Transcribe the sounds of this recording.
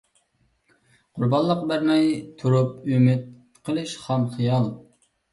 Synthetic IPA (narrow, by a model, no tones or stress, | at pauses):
qʰʊɾbɑnlˠːəqbæɾmɛjt̪ʰuɾup̚ymɪt̪̚ | qʰəlˠɨʃχæmχijɑlˠ